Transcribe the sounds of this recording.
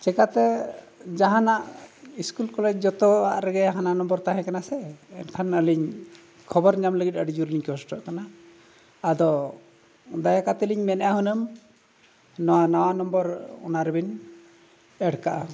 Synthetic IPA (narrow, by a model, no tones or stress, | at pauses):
t͡ʃɛkat̪ɛ | d͡ʒaɦanaʔiskulkɔlɛd͡ʒd͡ʒɔt̪ɔaʔɾɛɡɛɦananɔmbɔɾt̪aɦɛ̃kanasɛ̰ːnkʰanəliɲ | kʰɔbɔɾɲamləɡit̚ˀəɖid͡ʒuɾliɲkɔsʈɔʔkanaː | d̪ɔ | d̪ajakat̪ɛliɲmɛnɛjaɦunəm | nɔanawanɔmbɔɾɔ̰naɾɛbin | ɛɽkaʔa